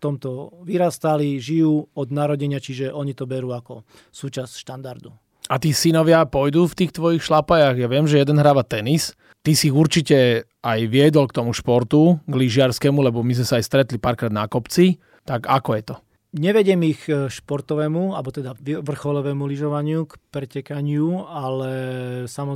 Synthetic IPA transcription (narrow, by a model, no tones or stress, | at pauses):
ft̪ɔmt̪ɔʋiɾast̪aliʒijuːɔd̪naɾɔɟɛɲɪat͡ʃiʒɛʔɔɲit̪ɔbɛɾuːakɔ | suːt͡ʃasʃt̪and̪aɾd̪u | at̪iːsinɔʋɪapɔjd̪uːft̪iːxt̪ʋɔjixʃlapajaɣjaʋɪɛmʒɛjɛd̪ɛnɦɾaːʋat̪ɛnis | t̪isiːɣuɾt͡ʃicɛ | ajʋɪɛd̪ɔlkt̪ɔmuʃpɔɾt̪uɡliʒɪaɾskɛmulɛbɔmizmɛsaːjst̪ɾɛt̪lipaːɾkɾaːd̪nakɔpt͡si | t̪aɡakɔjɛt̪ɔ | ɲɛʋɛɟɪɛmixʃpɔɾt̪ɔʋɛːmualbɔt̪ɛd̪aʋiʋr̩xɔlɔʋɛːmuliʒɔʋaɲɪukpɾɛcɛkaɲɪualɛsamɔ